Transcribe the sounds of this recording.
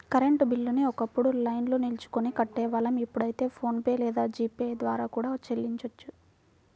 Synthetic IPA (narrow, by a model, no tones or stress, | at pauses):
kɐɾeɳʈbilːuniɔkɐpːuɽulɐjnloːnilt͡ʃu̥konikɐʈːɛːʋɐlɐmipːuɽɐjit̪e̞ːpʰo̞ːnpe̞ːlɛːd̪aːd͡ʒiːpeːd̪ʋaːɾaːkuːɽaːt͡ʃe̞lːiɲt͡ʃɐt͡ʃːu